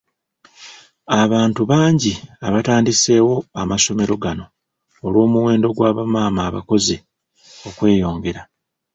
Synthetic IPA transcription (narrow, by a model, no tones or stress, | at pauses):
aβaːntuβaːɲɟiaβataːndise̞ːwo̞amaso̞me̞ɾo̞ɡano̞ː | lwo̞ːmuwe̞ːndo̞ɡwaːβamaːmaːβa̰ko̞ze | o̞kwe̞ːjo̞ːŋɡe̞ɾa